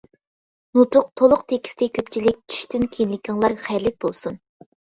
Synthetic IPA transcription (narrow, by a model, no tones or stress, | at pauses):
nut̪ʰʊq̚t̪ʰolˠʊqt̪ʰekʲʰi̥st̪ʰɪkʲʰøpt͡ʃʰilɪk̚ʲt͡ʃʰy̥ʃt̪ʰynkʲʰenlɪkʲʰɪŋlˠɑɾχæjɾlɪk̚ʲbolˠsun